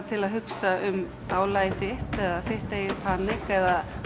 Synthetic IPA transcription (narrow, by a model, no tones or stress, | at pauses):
t̪ʰɪlaðɦʏksaʏm | aːwlaːjɪθɪht̪ɛðaθɪht̪ejɪɾpʰaːnɪkɛða